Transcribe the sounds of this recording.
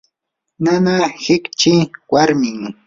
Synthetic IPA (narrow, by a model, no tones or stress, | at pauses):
nanahɪkt͡ʃɪwaɾmɪŋ